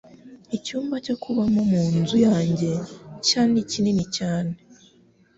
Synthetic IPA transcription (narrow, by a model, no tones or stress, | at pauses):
icuːmbaco̞kʰuβamomuːnzujaːɲɟe̞caːndicininicaːne